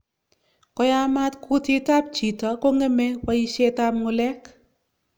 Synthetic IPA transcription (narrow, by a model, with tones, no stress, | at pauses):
kɔ˨˦ja˦ma˦tku˦ti˦ta˦p̚t͡ʃi˨ta˨˦ko˦ŋɛ˦mɛ˦wa˦ji˦ʃe˦ta˦p̚ŋo˧lɛ˦k